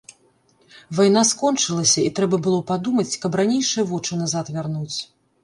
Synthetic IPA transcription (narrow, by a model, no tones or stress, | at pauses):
vajn̪askɔnt͡ʂɨlˠɐsʲɐit̪ɾɛbɐbɨlˠɔpad̪umɐt͡sʲkɐbranʲejʂɨjɐvɔt͡ʂɨnazat̪vʲarnut͡sʲ